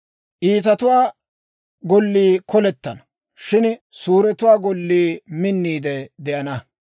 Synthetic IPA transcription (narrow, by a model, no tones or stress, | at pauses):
ʔiːt̪ɐt̪ʊwaː | ɡɔlːiːkɔlɛt̪ːɐnɐ | ʃɪn | suːɾɛt̪ʊwaːɡɔlːiːmɪnːiːd̪ɛd̪ɛʔɐnɐ